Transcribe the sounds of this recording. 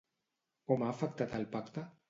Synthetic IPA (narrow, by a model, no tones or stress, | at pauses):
komafak̚t̪at̪alpakt̪a